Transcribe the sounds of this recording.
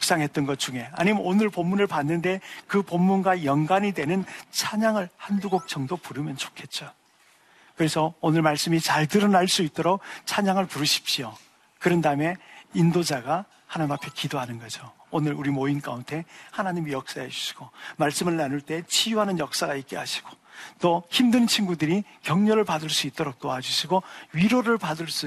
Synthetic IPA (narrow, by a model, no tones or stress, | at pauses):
ʌk̚s͈aŋɦe̞t͈̚ʌnɡʌt̚t͡ɕ͈uŋɦe̞a̰ɲimonɯɭpomːunɯɭpanːɯnde̞kɯpomːunɡwajʌnɡwaɲidwe̞nɯnt͡ɕʰaɲaŋɯɭhanduɡok̚t͡ɕ͈ʌŋdopuɾɯmjʌnt͡ɕo̥kʰe̞t̚t͡ɕ͈o | kɯɾe̞sʰʌonɯɭmaɭs͈ɯmit͡ɕaɭtɯɾʌnaɭs͈uit͈oɾok̚t͡ɕʰaɲaŋɯɭpuɾɯɕʰi̥pɕio | kɯɾʌndaɯme̞indod͡ʑaɡa | hanaɲimapʰe̞kidoɦanɯnɡʌd͡ʑoonɯɾuɾimoinka̰untʰe̞hanaɲimijʌk̚s͈aɦe̞d͡ʑu̥ɕʰi̥ɡ̥omaɭs͈ɯmɯɭnanuɭt͈e̞t͡ɕʰijuɦanɯnjʌk̚s͈aɡaik͈e̞̰ɦaɕʰi̥ɡ̥o | t͈oçimdɯnt͡ɕʰinɡudɯɾikjʌŋɲʌɾɯɭpadɯɭs͈uit͈oɾok̚t͈oad͡ʑuɕʰiɡoɥiɾoɾɯɭpadɯɭs͈u